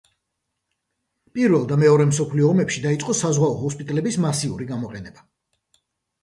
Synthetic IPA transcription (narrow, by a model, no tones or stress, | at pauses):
pʼiɾvɛlˠd̪amɛɔɾɛmsɔpʰliɔːmɛpʃid̪ait̪sʼqʼɔsazʁwaɔɦuspʼit̪ʼɛlɛbismasiuɾiɡamɔqʼɛnɛba